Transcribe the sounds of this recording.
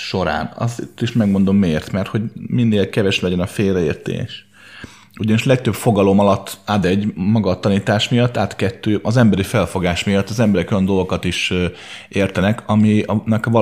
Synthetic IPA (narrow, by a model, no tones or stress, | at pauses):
ʃo̞ɾa̰ːnɒ̰sḭt̪ːiʃmɛɡmo̞nd̪o̞mːeːrt̪mɛrt̪ho̞ɟminːeːlkɛvɛʃlɛɟɛnɒfeːrɛeːrt̪ḛːʃ | uɟɒniʃlɛk̚t̪øbfo̞ɡɒlo̞mɒlɒt̪ːaːd̪ɛɟːmɒɡɒt̪ːɒniːt̪aːʃmijɒt̪ːaːt̪kɛt̪ːøːʔɒzɛmbɛɾifɛlfo̞ɡaːʃmijɒt̪ːɒzɛmbɛɾɛkojɒnd̪o̞lɡokɒt̪iʃ | eːrt̪ɛnɛkʰɒminɛkvɒ